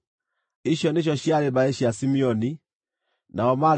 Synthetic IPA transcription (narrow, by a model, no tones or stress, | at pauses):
iʃjɔneʃ̬ɔʃiaɾebaeʃiasimiɔni | naɔma